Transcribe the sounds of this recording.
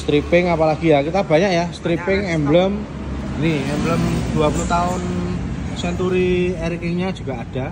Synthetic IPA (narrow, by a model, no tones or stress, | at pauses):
st̪ɾipɪŋapalaɡ̥ijakit̪ab̥a̤ɲakjast̪ɾipɪŋɛmbləm | niɛmbləmd̪̥uapuluht̪aʊn | sɛnt̪uɾiɛɾikɪŋɲad͡ʒ̥ṳɡ̥aʔad̥a̤